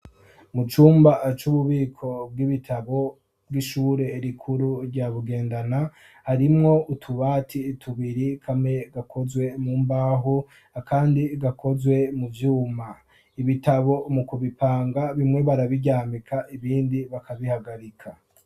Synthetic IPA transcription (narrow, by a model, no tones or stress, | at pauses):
mut͡ʃuːmbat͡ʃuβuβiːkʰo̞b̚ɡiβitʰaβo̞ | bɡwiʃuːɾe̞ɾikʰuɾuɾɟaβuɡe̞ːndana | haɾimŋo̞utʰuβatʰiːtʰuβiɾikʰamŋe̞ɡakʰo̞zwe̞muːmbaːɦu | akʰaːndiɡakʰo̞zwe̞muvjuːma | iβitaβo̞mukuβipaːŋɡaβimŋe̞βaɾaβiɟaːmikʰaʔiβiːndiβakʰaβihaɡaɾikʰa